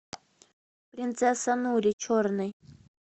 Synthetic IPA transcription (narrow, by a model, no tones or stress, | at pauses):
pɾʲɪnt̪sɛsanuɾʲɪt͡ʃʰoɾnɨj